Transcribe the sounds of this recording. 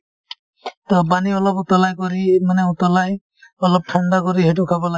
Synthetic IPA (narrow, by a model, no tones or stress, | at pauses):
t̪ɔbaniɔlɔbut̪ɔlajkɔɾimanɛut̪ɔlaj | ɔlɔb̚ʈʰaɳɖakɔɾiɦɛʈ̬ukʰabɔla